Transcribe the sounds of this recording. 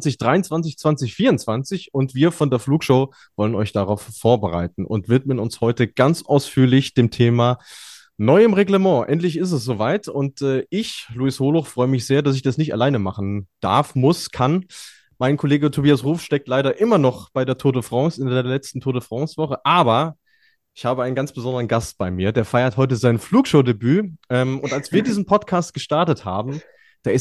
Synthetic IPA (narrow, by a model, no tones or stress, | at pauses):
t͡sɪçd̥ʁaɪʊnt͡sv̥ant͡sɪçt͡sv̥ant͡sɪçfiːɐʊnt͡sv̥ant͡sɪçʊntv̥iːɐfɔndeːɐfluːkʃoʊ | v̥ɔlənɔ̰ʏçd̥aʁaʊfːoːɐbəʁa̰ɪt̚n̩ʔʊ̰ntv̥ɪtmənʊnshɔʏtəɡ̥ant͡sʔaʊsfyːɐlɪçd̥eːmtʰeːmaː | nɔʏəmʁeɡləmɑ̃ːʔɛ̰ntlɪçɪstɛsz̥oːvaɪtʊntɛːʔɪçluishoːlʊχfʁ̥ɔʏəmɪçz̥eːɐdas̬ɪçd̥asnɪçta̰laɪnəmaχn̩d̥a̰ɐfmʊskʰan | maɪnkʰoleːɡətʰobiːasʁuːfʃtɛk̚tlaɪɾɐʔɪmɐnɔχb̥aɪdeːɐtʰoːɾdəfʁ̥ɑŋsɪndeːɐlɛt͡stn̩tʰoːɾəfʁ̥ɑ̃ŋsv̥ɔχəʔaːbɐ | ʔɪçhaːbəaɪnɡant͡sb̥əzɔndəʁənɡast̚b̥aɪmiːɐdeːɐfaɪɐthɔʏtəzaɪnfluːkʃoːdebyːʔɛːmʊntʔalsv̥iːɐdiːzn̩pʰɔtkʰaːst̚ɡ̥əʃtaɐtətha̰ːbm̩ | d̥aːɐɪs